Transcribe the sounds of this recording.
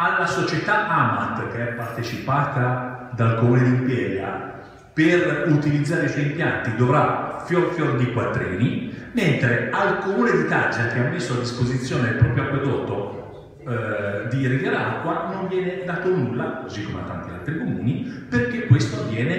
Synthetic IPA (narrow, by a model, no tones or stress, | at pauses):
alːasot͡ʃet̪aʔamat̪k̟eɛpːart̪et͡ʃipaːt̪ad̪alkomuːned̪iːmpɛːɾja̰ | perut̪ilid̪zːaːɾeiswɔjimpjant̪id̪ovɾafjorfjord̪ikwat̪ːɾḭːniment̪ɾealkomuːned̪it̪ad͡ʒak̟eamːesːoad̪ːispozit̪sːjoːnepːɾɔːpɾjoakːwod̪ɔːt̪o | d̪irid̪aɾaakːwanoɱvjɛːned̪aːt̪onulːakozikːomḛa̰t̪ːa̰nt̪ia̰lt̪ɾikomṵːniperkekːwest̪ovjɛːne